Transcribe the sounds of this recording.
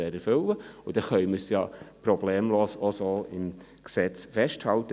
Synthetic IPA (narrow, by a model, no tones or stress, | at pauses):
eːɾɛɾfʏləʊd̥ɛχœʏməɾsjɑpɾobleːmloːsəosoːɪm | ksɛt͡sfɛʃthɑlt̪ə